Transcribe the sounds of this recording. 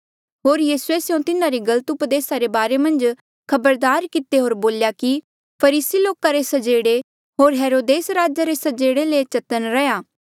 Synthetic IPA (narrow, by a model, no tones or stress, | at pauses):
ɦoːɾjiːsuesɪjõt̪ɪnaɾiɡɐlət̪ʊpəd̪eːsaɾebaːɾemɐ̃nd͡ʒ | kʰɐbəɾd̪aːɾkɪt̪eɦoːɾboːljaki | pʰɐɾiːsiloːkaɾesɐd͡ʒeːɽe | ɦoːɾɦeːɾoːd̪eːsɾaːd͡ʒaɾesɐd͡ʒeːɽelet͡ʃɐt̪ənɾɛjaː